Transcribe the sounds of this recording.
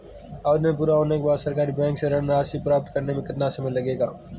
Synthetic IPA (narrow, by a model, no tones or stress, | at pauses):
aːd̪mẽp̬uːɾaɦoːnekebaːd̪səɾkaːɾibɛ̃ːŋkseɾəɽnɾaːsipɾaːb̚t̪kəɾnemẽkɪt̪nasɐmɪlɐɡeːɡa̰ː